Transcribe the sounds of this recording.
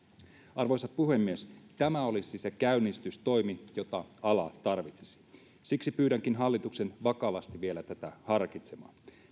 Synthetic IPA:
ɑrʋojsɑppuɦe̞mːiest̪æmæo̞lisisekæynːist̪yst̪o̞jmijot̪ɑɑlɑt̪ɑrʋit̪se̥si̥ | siksipyːɾæŋkinɦɑlːit̪ukse̞nʋɑkɑʋɑst̪iʋielæt̪æt̪æhɑrkit̪semɑ̰ː

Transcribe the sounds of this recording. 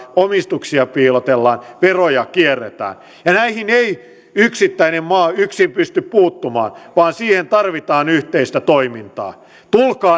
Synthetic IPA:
omist̪uksiɑpiːlot̪elːɑːnʋerojɑkierːet̪æ̰ːn | jɑnæihinei | yksit̪ːæinemmɑːyksimpyst̪yppuːt̪ːumɑ̰ːnʋɑːnsiːhent̪ɑrʋit̪ɑːnyht̪eist̪æt̪oimint̪ɑ̰ː | t̪ulkɑː

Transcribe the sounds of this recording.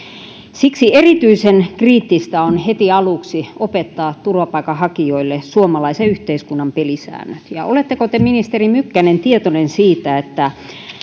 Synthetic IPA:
siksierit̪yisenkriːt̪ːist̪æonhet̪iɑluksiopet̪ːɑːt̪turʋɑpɑikɑhɑkioilːesuomɑlɑiseyht̪eiskunːɑmpelisæ̰ːnːøt̪jɑ̰olet̪ːekot̪eminist̪erimykːænent̪iet̪onensiːt̪æet̪ːæ

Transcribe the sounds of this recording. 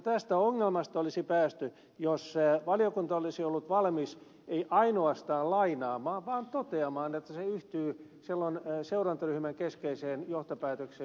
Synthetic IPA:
t̪æst̪æoŋːelmɑst̪ɑolisipæːst̪y | joseʋɑlijokunt̪ɑolisiolːut̪ʋɑlmis | eiʔɑinoɑst̪ɑːllɑinɑːmɑːʋʋɑːnt̪ot̪eɑmɑːnet̪ːæseyht̪yːsilːonseurɑnt̪ɑryhmæŋkeskeiseːnjoht̪opæːt̪økseː

